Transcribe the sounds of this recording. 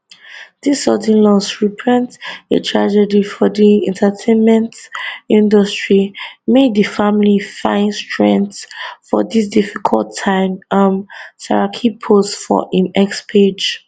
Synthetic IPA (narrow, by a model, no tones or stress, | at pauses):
disɔdĩnlɔsɹipʰɹɛ̃ntḛtʰɹad͡ʒɛdifɔdiɛ̰̃ntʰatʰẽnmɛ̃ntĩndɔstɹimedðəfamlifã̰ɪ̃nstɹɛ̃ntfɔdisdifikʰɔ̰ltʰːãɪ̃mamsa̰ɹakʰipʰofɔ̰ʔĩnɛkspʰed͡ʒ